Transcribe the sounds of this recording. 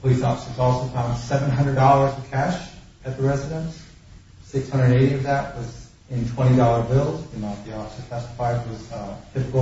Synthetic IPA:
lisɑfsəzɔlˠsoʊfãʊ̃nd̥sɛvə̃nɦʌ̃ndɹəddɔlˠə˞zʌv̥kʰæʃ | ɨt̪̚ðəɹɛzɨɾə̃ns | sɪkshʌ̃ndɹədɨ̃ñeɪɾiʌvðɨt̚wʌz | ɨ̃ntʰw̥ɛ̃ɾ̃idɔlˠə˞bɪlˠzɨ̃mɑ̃θiɑfsəfʰɛstə̥faɪd̚wʌz̥tʰɪpɨkl̩ˠ

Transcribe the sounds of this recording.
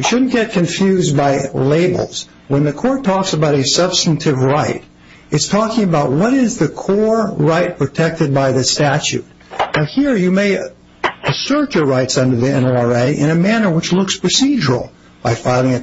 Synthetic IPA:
wiʃʊdⁿn̩ɡ̥ɛt̚kʰɨ̃ɱfjʉzbaɪleɪbl̩ˠz̥ | wə̃nðɨkʰɔɹtʰɔksəbaʊɾɨsʌb̥stn̩tʰɨvɹaɪɾ | ɨtstʰɔkɪ̃ŋɨbaʊt̚wʌɾɪzðɨkʰɔɹɹaɪt̚pʰɹ̥ɨtʰɛk̚tɨd̚baɪðɨstæt͡ʃʉ̰t̚ | naʊhiɹjɨmeɪ | ɨsɜ˞t͡ʃə˞ɹaɪtsʌ̃ndə˞ðiɛ̰̃nl̩ˠɑɹeɪʔɪ̰̃ñɨmænə˞wət͡ʃlʊkspʰɹ̥ɨsid͡ʒəɹl̩ˠ | b̥aɪfaɪlˠɪ̃ŋɨ

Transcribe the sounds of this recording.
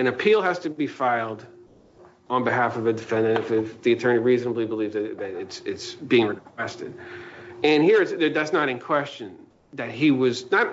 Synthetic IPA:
ɨ̃ñɨpʰilˠhæz̥tɨbifaɪlˠd | ə̃nbɨɦæfʌvɨdɨfɛ̃ndɨ̃ntɨfɪfðiɨtʰɜ̃˞niɹiznəblibəlivzɨɾðɨɾɪtsɪtsb̥iɪ̃ŋɹɨkʰw̥ɛstɨd | ɨ̃nɦiɹɨtsðɨ˞ðætsnəɾɨ̃nkʰw̥ɛst͡ʃɨ̃n | ðɨt̚ɦiwʌznət̚

